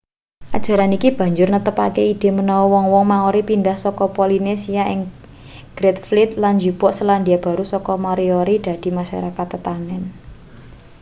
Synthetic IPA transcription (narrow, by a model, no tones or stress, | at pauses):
ʔad̥ʒ̥a̤ɾanikib̥ä̤ɲd͡ʒʊrnət̪əpakeid̪̥e̤mənɔwɔwɔŋwɔŋmaŋoɾipind̪ahsɔkɔpolinesiaʔɪŋ | ɡ̥ɾɛt̪flit̪̚land͡ʒupɔʔsəland̪iab̥a̤ɾusɔkɔmɔɾioɾid̪̥ä̤d̪̥i̤maʃa̰ɾakat̪ːət̪anɛn